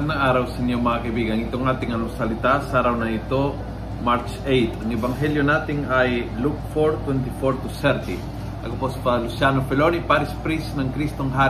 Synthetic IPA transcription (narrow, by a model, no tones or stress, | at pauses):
d̪̚nɐŋaːɾɐwsɐnjoŋmɐakɐɪbiːɡɐnɪt̪oŋnaːt̪ɪŋɐnoŋsɐlɪt̪asaɾawnɐɪt̪o̞ | maɾt͡ʃ | ejt̪ɐŋɛbɐŋɦɛljonaːt̪ɪŋajluk̚foɾt̪wɛnt̪ɪfoɾt̪ʊsɛɾt̪i | ʔɐ̰kopospɐlʊsjanopɛlonipaɾɪspɾisnɐŋkɾist̪oŋɦa